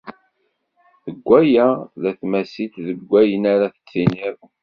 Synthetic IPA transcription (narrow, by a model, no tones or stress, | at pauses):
θəɡʷːæjæðæθmæsit̪ðəɡʷːæjənaɾaθə̥t͡sːiniɾ